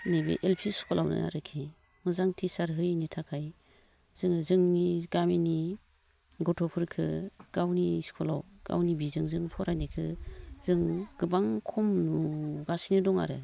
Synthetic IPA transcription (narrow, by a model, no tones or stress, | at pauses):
nebḛʔelpʰiskʰɔlawnɯ̰a̰ɾɯkʰi | mɯzaŋtʰisaɾɦɯjnitʰakʰaj | z̥ɯŋɯzɯŋniɡameni | ɡɔtʰɔpʰɯɾkʰɯɡ̥awniskʰɔla̰wɡ̥a̰wnibizɯŋzɯŋpʰɔɾʔanikʰɯz̥ɯŋɡ̥ɯbaŋkʰɔmnuɡasinɯdɔŋa̰ɾɯ̰